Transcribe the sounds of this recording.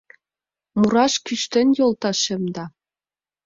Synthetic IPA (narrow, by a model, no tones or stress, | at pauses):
muɾɑʃkyʃt̪ɘ̆njolˠt̪ɑʃɘ̆md̪ɑ